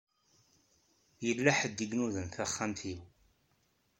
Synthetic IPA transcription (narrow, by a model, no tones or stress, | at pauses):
jəlːaħəd̪ːiɡnuðənθaχːamθiw